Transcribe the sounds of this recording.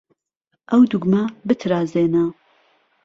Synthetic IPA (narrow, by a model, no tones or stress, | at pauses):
ʔɐwd̪uɡmabɨt̪ʰɾaːzeːnɐ